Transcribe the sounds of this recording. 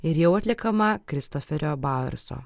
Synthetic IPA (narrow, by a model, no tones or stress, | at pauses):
ɪɾjɛʊɐt̪ʲlʲɪkɐmɐkɾʲɪst̪ɔfʲɛɾʲoːbɑːɛ̰ɾso̰ː